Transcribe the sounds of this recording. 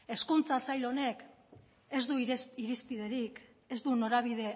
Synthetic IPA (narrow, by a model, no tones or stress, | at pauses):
e̞skunt͡sasajlo̞ne̞k | e̞zd̪uiɾispiðe̞ɾik | e̞zd̪uno̞ɾaβiðe̞